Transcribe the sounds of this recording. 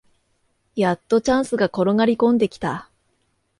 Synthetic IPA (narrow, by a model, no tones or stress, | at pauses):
jat̪ːo̞t͡ɕãɰ̃sɨɡako̞ɾo̞ŋaɾʲikõ̞nd̪e̞kʲi̥t̪a